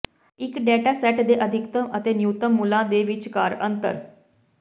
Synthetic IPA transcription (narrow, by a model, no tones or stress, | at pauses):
ɪkɖɛːʈaːsɛːʈd̪eːʔəd̪ʱɪkt̪əmət̪eːnjut̪əmːulãːd̪eːʋɪt͡ʃkaːɾə̰nt̪ə̰ɾ